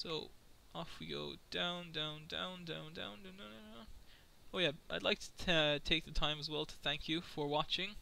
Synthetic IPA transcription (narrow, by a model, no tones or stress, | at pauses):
soʊʔɔfwiɡo̰ʊd̥ãʊ̃ndãʊ̃ndã̰ʊ̃ndã̰ʊ̃ndã̰ʊ̃nnononoo | oʊjæʔaɪdˡlaɪk̚tʰɨ̥ʌtʰeɪk̚ðɨtʰãɪ̃məzwɛlˠtʰə̥θæ̃ŋkʰjɨfə˞wɑt͡ʃɪ̃ŋ